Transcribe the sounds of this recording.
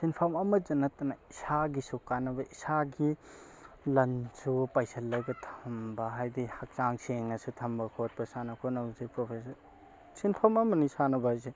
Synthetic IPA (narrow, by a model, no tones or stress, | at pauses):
sinpʰamɐmɐd͡ʒɐnɐtɐnaisaɡisukːanɐbɐʔisaɡi | lɐnsupajsʰɐlːɐjbɐtʰɐmbɐɦajdihak̚t͡ʃaŋseŋnɐsutʰɐmbɐkʰot̚bɐsanɐkʰonɐzipɾopʰes̬ɐɾ | sinpʰamɐmɐnisanɐbɐhajse